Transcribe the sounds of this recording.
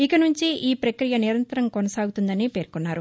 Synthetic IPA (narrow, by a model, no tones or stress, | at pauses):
ikɐnuɲt͡ʃiʔiːpɾɐkɾijɐniɾɐnt̪ɐɾɐmkɔnɐsaːɡut̪und̪ɐnipe̞ːɾkunːaːɾu